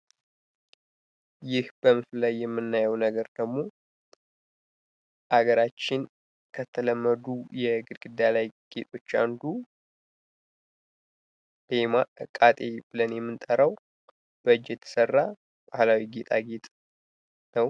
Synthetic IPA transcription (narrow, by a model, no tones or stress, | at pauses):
jɪhb̥əmɨflajːɛmːɨnːajəwnəɡəɾd̪̥əɡmo̞ | ʔaɡəɾat͡ʃːɪn | kʰət̪ʰələmːəd̪ujɛɡɨd̪ɡɨd̪ːalajɡ̥e̞t̪ʼo̞t͡ʃːand̪u | le̞maʔɨkʼːat̪ʼe̞b̥ɨlənjɛmːɨnt̪ʼəɾəw | b̥əd͡ʒjɛt̪ʰə̥sərːa | bahlawiɡet̪ʼaɡe̞t̪ʼ | nəw